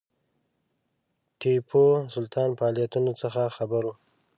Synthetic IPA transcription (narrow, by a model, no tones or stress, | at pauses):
ʈʰepʰosʊlt̪ɑnfaɑlijat̪unot͡səxaxabaɾu